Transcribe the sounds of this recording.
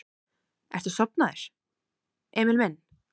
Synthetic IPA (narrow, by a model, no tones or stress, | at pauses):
ʔɛ̰ɾ̥t̪ʏ̥sɔp̚naðɪɾ̥ | ʔeːmɪlmɛn